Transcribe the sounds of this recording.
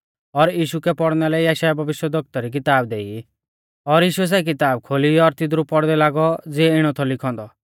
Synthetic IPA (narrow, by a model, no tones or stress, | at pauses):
ɔɾjiːʃukɛpɔɽnɛlɛiaʃajabʱɐʋɪʃjəd̪ʱɔk̚t̪ɔɾik̬ɪt̪aːbd̪ei | ɔɾjiːʃuɛs̬ɛk̬ɪt̪aːb̚kʰoːliɔɾt̪ɪd̪ɾupɔɽd̪ɛlaːɡɔd͡zɪɛɪɽ̃ɔt̪ʰɔlɪkʰɔ̃ːnd̪ɔ